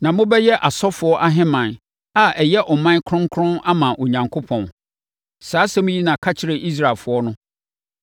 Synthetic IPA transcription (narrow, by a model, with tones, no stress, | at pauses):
nã˨mʊ̃˦bɛ˦jɛ˦ʔa˨sɔ˦fʊ˨˦ɔ˦ʔa˦ɦɪ̃˦mã˨n | a˦ɛ˨jɛ˦ʔɔ˨mã˦n˦kʰʊ̃˦ŋ˦kʰʊ̃˦na˦mã˨ʔo˨ɲã˨ŋkʰo˦pʰɔ̃˨n | saː˨˦sɛ˦mʊ̃˦ji˦nã˨kʰa˦t͡ɕʰɪ˦ɾe˨ʔi˦s̬ɾa˨lfʊ˨ɔ˦nʊ̃˦